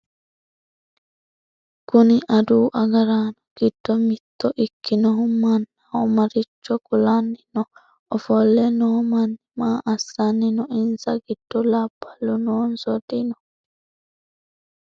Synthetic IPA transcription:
kʊniʔad̪uːʔɐɡɐɾaːnɔɡ̥id̥ːɔmit̪ːɔʔikːinɔɦumanːaɔmaɾit͡ʃːɔkulanːinɔ | ɔfɔlːɛnɔmanːimaːʔasːanːinɔɪnsaɡid̥ːɔlab̥ːalːunɔːnsɔd̪inɔ

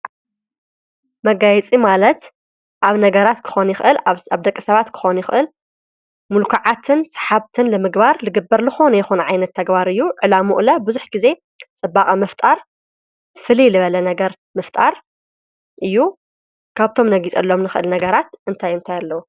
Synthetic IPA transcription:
mɐɡajɛt͡sʼimalɐt̪ | ʔaβnɐɡɐɾat̪kʰɨ̥xo̞njɪxʔɨlaβd̪ɐkʼːɨsɐβat̪kʰɨ̥xonjɪxʔɨl | mulkʰaʕat̪ʰɨnsħaβt̪ʰɨnlɨmɨɡbaɾlɨɡɨbːɐɾlɨxonjɛxunʕajnɐt̪ʰːɐɡbaɾɨjːuʕɨlamuʔlɐbɨzuħɡ̥ize̞ | t͡sʼɨbːaχʼɐmɐft̪ʼaɾ | fɨlilɨβɐlɐnɐɡɐɾ | mɨft̪ʼaɾ | ʔɨjːu | kʰaβt̪ʰo̞mnɐɡit͡sʼɐlːo̞mnɨxɨʔɨlnɐɡɐɾat̪ʔɨnt̪ʰajɨnt̪ʰajalːɐwu

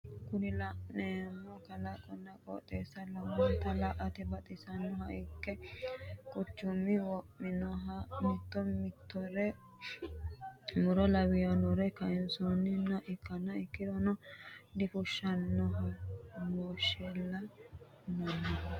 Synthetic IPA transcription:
kʊnɪlɐʔneːmːɔkɐlɐkʼɔnːɐkʼɔ̰t̪ʼeːsːɐlɐmːat̪ɐlɐʔɐt̪ɛbɐt̪ʼɪsɐnːɔɦɐʔɪkːɛ | kʼʊt͡ʃːʊmːɪwɔʔːɪnɔɦɐmɪt̪ːɔmɪt̪ːɔɾɛ | mʊɾɔlɐwɪjɔnɔɾɛkɐɛnsɔnːɪnːɐʔɪkːɐnːɐɪkːɪd̪ɔnɔd̪ɪfʊʃːɐnːɔɦɐmoːʃelːɐ | nɐnːɔ

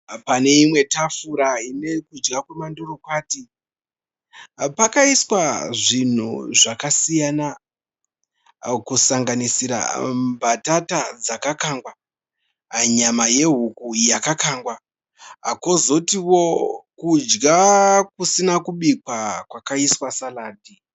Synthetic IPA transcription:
pane̞imwe̞tafuɾaine̞kud͡ʒɡakwemandoɾo̞kwaːti | pakaiswaʐin̤ṵʐakasijana | kusaŋɡanisiɾa̰mbatatad͡zakakaŋɡwa | ɲamaje̞ɦukujakakaːŋɡwa̰ | kozo̞tiwo̞kud͡ʒɡak̚usinakuɓikwakwakaiswasalaːdi

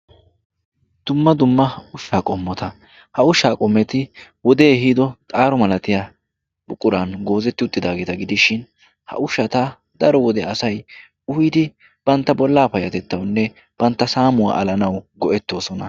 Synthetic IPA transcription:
d̪̥ʊmːɐd̪ʊmːɐʊʃːaːkʼɔmːɔt̪ɐ | hɐʊʃaːkʼɔmːɛt̪ɪwɔd̪eːɦiːd̪ɔt̪ʼaːɾɔmɐlɐt̪ɪjaː | bʊkʼːʊɾanɡo̞ːzɛt̪ːɪʊt̪ʼːɪd̪aːɡeːt̪ɐɡɪd̪ɪʃɪn | hɐ̰ʔʊʃɐt̪ɐ | d̪ɐɾɔwɔd̪ɛɐsɐj | ʊhid̪ɪ | b̥ɐnt̪ːɐbɔlːaːpɐjɐt̪ɛt̪ːɐwnːɛ | b̥ɐnt̪ːɐsaːmʊwa̰ːʔɐlɐnɐwɡɔʔɛt̪ːo̞ːsɔnɐ

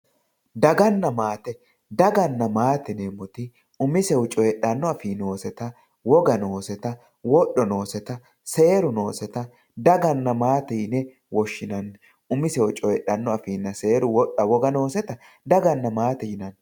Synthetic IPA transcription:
d̪ɐɡɐnːɐmaːt̪ɛ | d̪ɐɡɐnːɐmaːt̪ɛnemɔt̪ɪ | ʊmɪsɛwʊt͡ʃʼɔjɛɗːɐnːɔɐfiːnoːsɛt̪ɐ | wɔɡɐno̞ːsɛt̪ɐ | wɔɗːɔno̞ːsɛt̪ɐ | se̞ːɾʊno̞ːsɛt̪ɐ | d̪ɐɡɐnːɐmaːt̪ɛjɪnɛ | wɔʃːɪnɐn | ʊmɪsɛwʊt͡ʃʼɔjɛɗɐnːɔɐfiːnːɐseːɾʊwɔɗːɐwɔɡɐno̞ːsɛt̪ɐ | d̪ɐɡɐnːɐmaːt̪ɛjɪnɐn

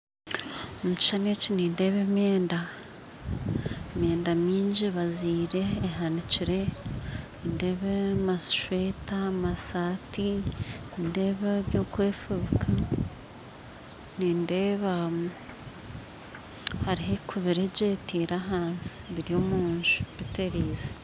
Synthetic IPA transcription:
omuci̥ʃaneciniːnde̞ːβemjeːnda | emje̞ːndamiːɲɟiβaziːɾe̞ːɦaniciɾe̞ | inde̞βemasʃwetamasaːtininde̞ːβeβjo̞ːkweːfuβkʰa | ninde̞ːβa | haɾiɦekʰuβiɾeɟe̞ːtiːɾaɦaːnsi̥βiɾio̞ːmuːɲʒu̥βiteɾiːze̥

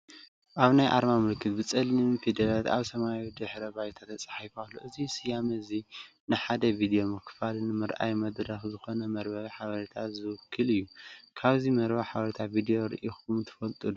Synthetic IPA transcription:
ʔaβnajʔa̰ɾmamɨlkʰɨt̪bɨt͡sʼɐlːɨfid̪ɐlat̪a̰βsɐmajid̪ɨħɾɐbajt̪ʰat̪ʰːɐt͡sʼḁħajfalːuʔɨzisɨjamɐzi | nɨħad̪ɐvid̪ijo̞mɨkʰfalnɨmɨɾʔa̰jmɐd̪ɾɐxzɨxo̞nɐmɐɾbɐβħaβɐɾit̪ʰat̪zɨwɨkʰːɨlɨjːukʰaβzimɐɾbɐħaβɐɾit̪ʰavid̪ijoɾɨ̰ʔixumt̪ʰɨ̥fɐlt̪ʼud̪u

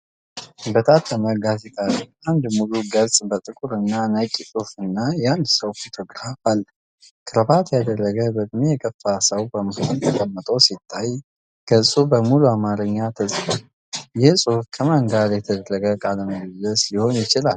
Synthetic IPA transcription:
bət̪ʰʼat̪ʰːəməɡazet̪ʰʼaɾiand̪muluɡəlsʼbət̪ʼɨkʼuɾɨnːanəkʼisʼufɨnːajand̪səwfot̪ʰo̞ɡɾafal | kʰɨɾəbat̪jad̪ərːəɡəbət̪ʼmjɛkʼəfːasəwbəməhənt̪ʰəkʼəmːət̪ʼəwsit̪ʰːaj | ɡ̥əsʼubəmuluamaɾəɲːat̪ʰəsʼfal | jɪhsʼufkʰəmaŋɡaɾjɛt̪ʰəd̪ərːəɡəkʼaləməɡləsiho̞njɪt͡ʃɪlal

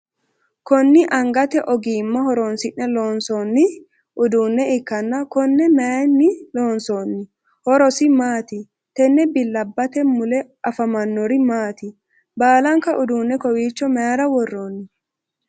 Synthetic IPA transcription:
kɔnːɪʔɐŋɡɐt̪ɛʔɔɡiːmːɐhɔɾoːnsɪnːɛloːnsoːnːɪ | ʔʊd̪uːnːɛɪkːɐnːɐkɔnːɛmɛanːɪloːnsoːnːɪ | hɔɾɔsɪmaːt̪ɪ | t̪ɛnːɛbɪlːɐbːɐt̪ɛmʊlɛ | ɐfɐmɐnːɔɾɪmaːt̪ɪ | baːlɐŋkɐʔʊd̪uːnːɛkɔwiːt͡ʃːɔmɛjaɾɐwɔrːoːnːɪ

